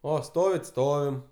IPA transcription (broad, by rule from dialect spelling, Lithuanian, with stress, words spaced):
ˈoː ˈstoːʋʲɪt ˈstoːʋʲɪm